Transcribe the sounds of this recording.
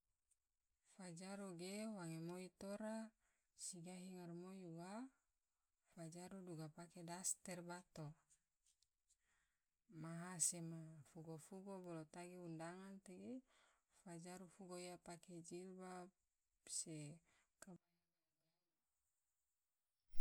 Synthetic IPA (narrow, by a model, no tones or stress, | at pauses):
fad͡ʒaɾuɡewaŋemoit̪oɾa | siɡaɦiŋarmojuwa | fad͡ʒaɾuduɡapakedast̪ɛrbat̪o | maɦasemafuɡofuɡobɔlot̪aɡeundaŋant̪eɡe | fad͡ʒaɾufuɡoijapaked͡ʒilba | sekaba